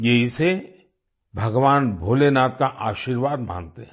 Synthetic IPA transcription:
jeɦise | bʱɐɡʋaːnbʱoːlenaːt̪kaʔaːʃiːɾʋaːd̪mã̰ːnt̪eɦɛ̃

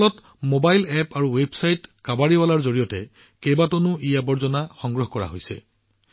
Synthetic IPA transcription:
lɔt | mobajlɛpaɹuwebsajtkabaɹiwalaɹzoɹijɔtɛ̰ | kejbatonʊʔijabɔɹzɔnaxɔŋɡɹɔɦkɔɹa̰ɦo̰jsɛ̰

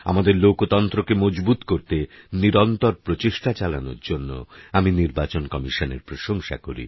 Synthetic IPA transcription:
a̰mad̪eɾlokot̪ɔnt̪ɾokemɔd͡ʑbut̪koɾt̪eniɾɔnt̪ɔɾpɾot͡ɕiʃʈat͡ɕala̰no̰ɾd͡ʑonːo̰aminiɾbat͡ɕonkɔmiʃonḛɾpɾoʃoŋʃa̰koɾḭ

